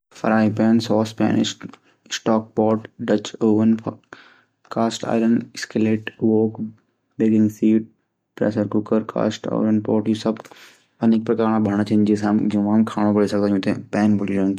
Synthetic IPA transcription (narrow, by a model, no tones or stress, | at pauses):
fɐɾaːipɛːnsɔːspɛ̰ːnɪ̰ʃ | sʈɔːk̚pɔːʈɖɐt͡ʃoːʋənpʰ | kaːsʈa̰ːɪɾəɳɖɪskəleːʈʋoːk | beːɡɪ̃ŋɡsiːʈ̚ | pɾɛ̰ːsəɾkʊkəɾkʰa̰ːsʈa̰ːɪɾənpɔːʈjisɐb | ɐnek̚pɾɐkaːɾɳãbʱɐɳ̃at͡ʃʰind͡ʒesamd͡ʒũmkʰaːɽ̃õbɐɽisɐk̚d̪ãjũːt̪ẽpɛːnbəɽilõn